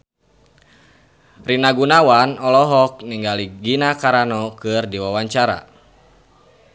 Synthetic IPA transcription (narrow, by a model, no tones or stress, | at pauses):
rinaɡunawanɔlɔɦɔk̚niŋɡaliɡinakaɾanɔkɨrdiwawaɲt͡ʃaɾa̰